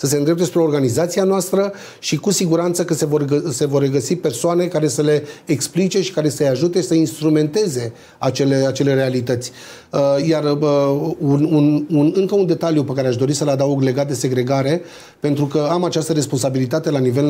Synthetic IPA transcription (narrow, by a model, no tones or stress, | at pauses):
səs̬e̞nd̪ɾep̪̚d̪espɾeo̞rɡanizat̪sianoast̪ɾə | ʃikusiɡuɾant̪səkəsevorɡəse̞vo̞rreɡəsipe̞rsoane̞kaɾe̞səle̞ːksplit͡ʃeʃi̥kaɾe̞səjaʒut̪esəinst̪ɾume̞nt̪e̞ze̞ | at͡ʃe̞le̞at͡ʃe̞le̞ɾe̞alit̪ət̪sʲ | əjar | unununɨŋkəund̪e̞t̪aljupekaɾeaʃd̪o̞ɾisəlad̪auɡle̞ɡat̪̚d̪e̞se̞ɡɾe̞ɡaɾe̞ | pe̞nt̪ɾukəamat͡ʃast̪əɾe̞spo̞nsabilit̪at̪e̞lanive̞l